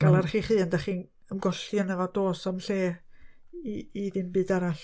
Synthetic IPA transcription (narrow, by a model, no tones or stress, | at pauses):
ɡ̥alˠaɾχiːχɨːəndaχiːn | əmɡɔɬjənəvɔdoːsɔmɬeː | iːðɨnbɨːdaɾaɬ